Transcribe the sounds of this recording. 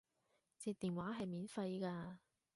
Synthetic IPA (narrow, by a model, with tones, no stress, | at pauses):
t͡siː˧t̪iː˨˩nwaː˨˥ɦɐ˨jmiː˨˥nfɐ˧jkaː˧